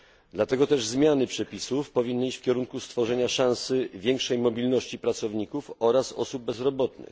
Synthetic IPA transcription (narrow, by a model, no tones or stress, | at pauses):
d̪lat̪ɛɡɔt̪ɛʐzmʲjanɘpʂɛpʲisufpɔvʲinːɘit͡ɕfkʲɛɾuŋkust̪fɔʐɛɲaʂãw̃sɘvʲjɛŋkʂɛjmɔbʲilnɔɕt͡ɕipɾat̪sɔvɲikufɔɾasɔ̰sub̚bːɛzɾɔbɔt̪̚nɘ̰